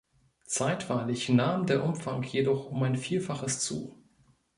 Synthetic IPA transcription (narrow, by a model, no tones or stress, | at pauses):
t͡saɪtv̥aɪlɪçnaːmdeːɐʔʊmfaŋkjedɔχʊmaɪnfiːlfaχəst͡sṵː